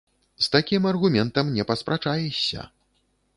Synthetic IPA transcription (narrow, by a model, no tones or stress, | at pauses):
st̪akʲimɐrɣumʲɛnt̪ɐmnʲɛpɐspɾʔat͡ʂajɛsʲːɐ̰